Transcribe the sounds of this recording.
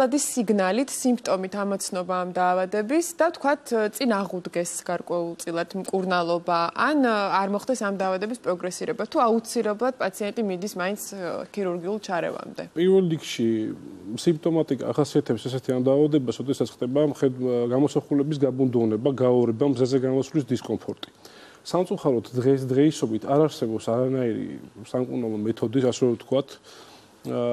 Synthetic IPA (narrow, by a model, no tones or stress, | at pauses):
ad̪isiɡnalit̪ʰsimpʰt̪ʼɔmit̪ʰamɔt̪sʰnɔbaːmd̪aːvad̪ɛbisd̪aft̪ʰkʰwat̪ʰt̪sʼinaʁud̪ɡɛsɡaɾkʼwɛulˠt̪sʼilˠad̪̥mkʼuɾnalˠɔbaʔanaɾmɔχd̪ɛsamd̪aːvad̪ɛbispʼɾɔɡɾɛsiɾɛbat̪ʰuaut̪sʰilɛblˠad̪̥̚pʼat̪sʰiɛnt̪ʼimid̪ismaint̪skʰiɾuɾɡiulˠt͡ʃʰaɾɛ̰va̰md̪ɛ̰pʼiɾvɛlˠɾikʰʃi | simpt̪ʼɔmat̪ʼikʼa̰ːχasiat̪ʰɛpsɛs̬ɛt̪ʰiamd̪aːvad̪ɛbasɾɔd̪ɛsat̪sʰχd̪ɛbaχɛɡamɔsaχulɛbis̬ɡabund̪uvnɛbaɡaɔɾɛbamzazɛɡamɔsvlisd̪iskʼɔmpʰɔɾt̪ʼi̥ | samt̪sʼuχaɾɔd̪d̪ʁɛs̬d̪ʁɛisɔbit̪ʰaɾaɾsɛbɔpsaɾanaiɾḭsamkʼunalˠɔmɛt̪ʰɔd̪isasɛvɛt̪ʰkʰwat̪ʰ